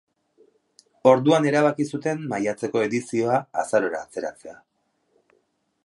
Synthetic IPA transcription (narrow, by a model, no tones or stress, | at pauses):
o̞ɾðuane̞ɾaβ̞akisut̪e̞mːajat͡se̞ko̞e̞ðisio̞aːsaɾo̞ɾa̰ːt͡se̞ɾat͡se̞a